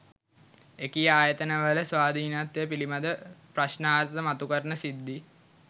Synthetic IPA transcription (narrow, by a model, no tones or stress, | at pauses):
ekijəaːjət̪ənəʋələsʋaːd̪ʱiːnat̪jejəpilimad̪əpraʃnaːɾtt̪əmat̪ukəɾənəsid̪ːi